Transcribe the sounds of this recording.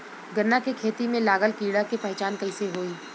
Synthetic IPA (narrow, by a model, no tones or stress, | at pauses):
ɡɐɾnakekʰeːt̪imẽlaːɡəlkiːɽakepɐɦt͡ʃaːnkɐɪseɦoːiː